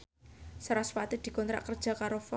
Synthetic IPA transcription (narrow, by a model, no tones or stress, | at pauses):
saɾaswat̪id̪̥i̤kɔnt̪ɾa̰ʔkərd̥ʒ̥a̤kaɾofɔ